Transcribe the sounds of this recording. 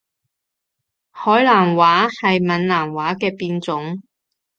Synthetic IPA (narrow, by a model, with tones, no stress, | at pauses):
hɔː˨˥jlaː˨˩nwaː˨˥hɐ˨jmɐ˨˧nlaː˨˩nwaː˨˥kɛː˧piː˧nt͡sʊ˨˥ŋ